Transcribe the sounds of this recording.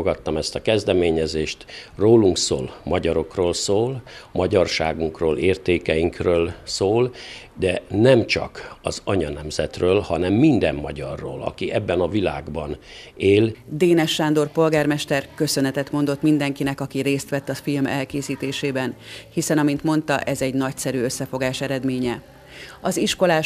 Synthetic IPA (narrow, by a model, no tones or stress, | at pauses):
oɡɒt̪ːɒmɛst̪ɒkɛzd̪ɛmeːɲɛzeːʃt̪roːluŋkso̰ːlmɒɟɒɾo̞kroːlsoːlmɒɟɒrʃa̰ːɡuŋkroːleːrt̪eːkɛjiŋkrøːlsoːl | d̪ɛnɛmt͡ʃɒ̰kɒ̰zɒɲɒnɛmzɛt̪røːlhɒnɛmːind̪ɛ̰mːɒɟɒrːo̰ːlɒ̰kiʔɛbːɛnɒvila̰ːɡbɒn | eːld̪eːnɛʃːaːnd̪o̞rpo̞lɡaːrmɛʃt̪ɛrkø̞sø̞nɛt̪ɛt̪mo̞nd̪o̞t̪mind̪ɛŋkinɛkɒkiɾeːst̪ʋɛt̪ːɒfilmɛlkeːsiːt̪eːʃeːbɛnhisɛnɒmint̪mo̞nt̪ɒ̰ʔɛzɛɟnɒcsɛɾyːø̞sːɛfo̞ɡaːʃɛɾɛd̪meːɲɛ | ɒziʃko̞laː